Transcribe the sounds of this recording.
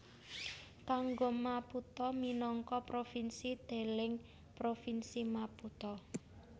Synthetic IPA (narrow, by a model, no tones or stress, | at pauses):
kaŋɡomaput̪ɔminɔŋkɔpɾofinsid̪̥e̤lɪŋ | pɾofinsimaput̪ɔ